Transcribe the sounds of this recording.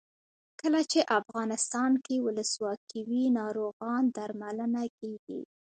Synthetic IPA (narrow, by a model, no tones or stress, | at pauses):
kəlat͡ʃeʔafɣɑnɪst̪ɑnkewʊləswɑkʰiwinɑɾoɣɑnd̪aɾmalənakeɡḭ